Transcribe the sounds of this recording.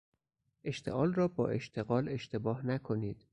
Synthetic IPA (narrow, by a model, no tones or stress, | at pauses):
ʔe̞ʃt̪ʰe̞̰ʔɒːlrɒːbɒːʔe̞ʃt̪ʰe̞ɣɒːle̞ʃt̪ʰe̞bɒːhnækʰo̞niːd̪̥